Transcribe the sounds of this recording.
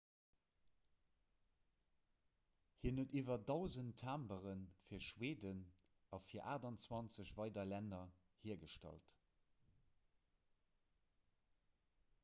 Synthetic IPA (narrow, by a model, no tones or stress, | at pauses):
hiːɐnətiːvɐdɑʊzəntʰːaːmbəʁənfiːɐʃweːdən | ɑfiːɐʔaːdɑnt͡swɑnt͡səɕvɑɪdɐlænɐ | hiːəɐɡəʃtɑ̰lt